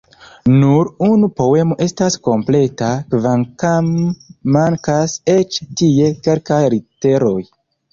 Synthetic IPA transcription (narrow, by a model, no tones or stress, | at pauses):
nuɾunupo̞we̞mo̞ʔe̞stasko̞mple̞takvaŋkamːaŋkase̞t͡ʃtie̞ke̞lkajɾite̞ɾo̞j